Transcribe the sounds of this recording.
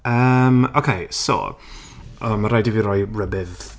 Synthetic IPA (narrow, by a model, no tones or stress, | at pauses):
əmokʰejso̰ | əmaɾajdiviɾɔjɹəbɪð